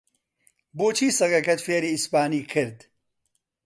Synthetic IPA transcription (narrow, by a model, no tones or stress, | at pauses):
boːt͡ʃʰiːsɐɡɐkɐt̪feːɾiːɪspaːniːkʰɨɾd̪